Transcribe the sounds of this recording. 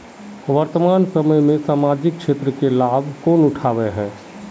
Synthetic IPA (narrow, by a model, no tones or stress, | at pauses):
ʋəɾt̪əmaːnsəməjmẽsaːmaːd͡ʒɪkkːʃeːt̪ɾəkelaːbʱkoːnʊʈʰaːʋeɦɛ̃ː